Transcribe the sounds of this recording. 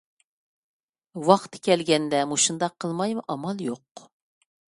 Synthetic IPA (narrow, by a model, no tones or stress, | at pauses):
wɑχt̪ʰkʲʰɛlɡʲɛnd̪ɛmuʃund̪ɑqʰːəlˠmɑjmuʔɑmɑlˠjoq